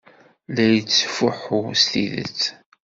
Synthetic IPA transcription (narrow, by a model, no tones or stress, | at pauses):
læjət͡sːfʊħʊsθiðə̰t͡sː